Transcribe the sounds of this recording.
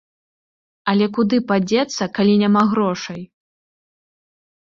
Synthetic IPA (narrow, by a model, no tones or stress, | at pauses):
ɐlʲɛkud̪ɨpad͡zʲɛt̪sːɐkalʲinʲamaɣɾɔʂɐj